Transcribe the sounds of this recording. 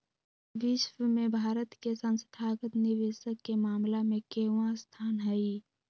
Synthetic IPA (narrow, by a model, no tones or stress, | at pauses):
ʋɪʃwəmẽbʱaːɾət̪kesə̃nsət̪ʰaːɡət̪nɪʋeːʃəkːemaːmlamẽkeːwãst̪ʰaːnɦɛi